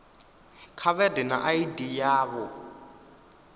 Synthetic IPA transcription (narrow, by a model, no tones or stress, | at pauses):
kʰaβɛdɛna̰ʔaidijaːβɔ